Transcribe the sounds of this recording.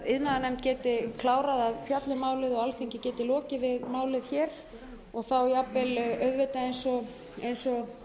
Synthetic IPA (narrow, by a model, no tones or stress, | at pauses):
ɪðnaðanɛmt̪̚cɛːt̪ɪkʰlaːwɾaðaðfjat̪lʏmaːwlɪðɔɣalθiɲcɪcɛːt̪ɪlɔːcɪvɪðmaːwlɪðçɛːɾ̥ | ɔɣθawjapvɪlœɥðvɛt̪aejnsɔ | ejnsɔ